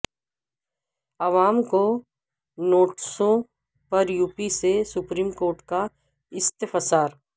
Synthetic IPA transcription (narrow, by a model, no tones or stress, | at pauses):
ɐʋaːmko | noːʈsõ | pɐɾjuːpisesʊpɾiːmkoːɾʈka | ɪst̪fəsaːɾ